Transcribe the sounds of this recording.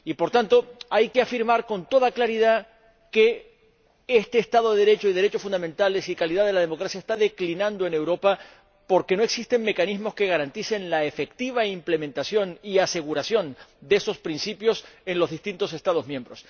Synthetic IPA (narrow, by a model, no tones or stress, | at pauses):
ipo̞ɾt̪ant̪o̞ajke̞afiɾmaɾko̞nt̪o̞ðaklaɾið̞a | ke̞ | est̪e̞ːst̪aðo̞ðeðeɾe̞t͡ʃoiðe̞ɾe̞t͡ʃo̞sfund̪amẽ̞nt̪ale̞sikaliðaðe̞lað̞e̞mo̞kɾasjaest̪aðe̞klinãnd̪o̞e̞ne̞wɾo̞pa | po̞ɾke̞no̞e̞ksist̪e̞ŋːe̞kanizmo̞ske̞ɣaɾant̪ise̞nlaefe̞k̚t̪iβ̞aimple̞mẽnt̪asjo̞niase̞ɣ̞uɾasjo̞nd̪eeso̞spɾinsipjo̞se̞nlo̞zðist̪int̪o̞se̞st̪að̞o̞zmjẽ̞mbɾo̞s